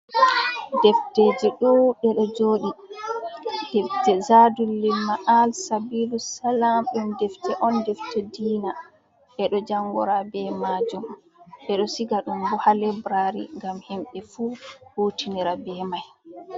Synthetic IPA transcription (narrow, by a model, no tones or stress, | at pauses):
dɛfteːd͡ʒiɗuɗɛɗɔd͡ʒoːɗi | dɛftɛzadulːimaʔalsabilusalamɗumdɛftɛʔɔndɛftɛdiːna | ɓɛɗɔd͡ʒaŋɡɔ̰ɾabɛmad͡ʒum | ɓɛɗɔsiɡaɗumbuhalɛbɾaɾḭŋɡamhimɓɛfuːhuːtʰiniɾabɛmaj